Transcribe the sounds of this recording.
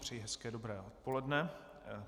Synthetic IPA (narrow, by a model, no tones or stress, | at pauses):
pr̥ɛjiɦɛskɛːdo̞bɾɛːʔot̪̚po̞lɛdnɛ